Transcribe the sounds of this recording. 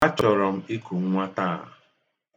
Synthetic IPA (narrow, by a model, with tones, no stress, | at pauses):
a˦t͡ʃɔ˨ɾɔ˨m̩˦i˦ku˨ŋ̩˦ŋʷa˦ta˦˨